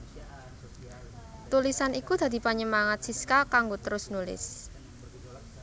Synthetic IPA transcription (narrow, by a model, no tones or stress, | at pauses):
t̪ulisanikud̪̥ä̤d̪i̤paɲəmaŋat̪̚siskakaŋɡot̪əɾʊsnulɪ̰s